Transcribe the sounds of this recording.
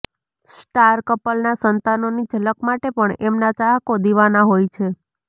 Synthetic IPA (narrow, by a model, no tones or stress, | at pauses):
sʈaɾkəpəlnasənt̪anonid͡ʒʱələkmaʈepəɳemnat͡ʃaɦkod̪iʋanaɦojt͡ʃʰe